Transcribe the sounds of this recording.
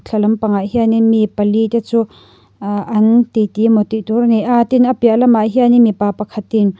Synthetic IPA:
t͡ɬʰɐlɐmpɐŋaʔhianimipɐlit̪et͡su | ʔɐnt̪it̪imɔt̪iʔturniʔat̪inɐpiaʔlɐmaʔɦianiʔmipapɐkʰɐt̪in

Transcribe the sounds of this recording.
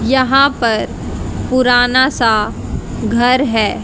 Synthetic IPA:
jɐɦãpɐɾ | pʊɾaːnasa | ɡʱɐɾɦɛː

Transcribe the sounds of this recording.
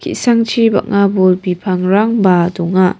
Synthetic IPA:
kʰḭʔsaŋt͡ʃʰiba̰k̚ŋabulbipʰaŋɾaŋbadɔŋa

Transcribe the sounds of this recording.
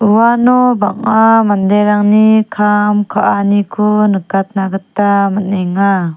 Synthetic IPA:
uwanɔbaŋamand̪eɾaŋnikʰamkʰaʔanikʰunɯkat̪̚naɡatːamaneŋa

